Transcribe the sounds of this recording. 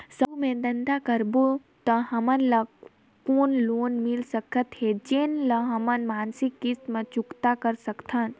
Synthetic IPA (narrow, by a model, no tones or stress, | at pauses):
səbmẽd̪ɐnd̪akəɾbu | t̪əɦɐmənlɐ | koːnloːnmilsəkʰət̪ɦed͡ʒenlɐɦɐmənmaːnsɪkːit̪mẽt͡ʃʊkt̪akəɾsəkt̪ʰən